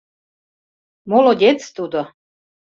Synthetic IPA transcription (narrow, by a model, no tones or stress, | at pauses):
molodʲet͡st̪ud̪o